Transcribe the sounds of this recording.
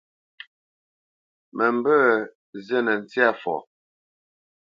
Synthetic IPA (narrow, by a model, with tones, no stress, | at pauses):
mə˨m˦bə˦ | zɛ˦nə˨n̩˨t͡si˦a˦˨fɔ̰˨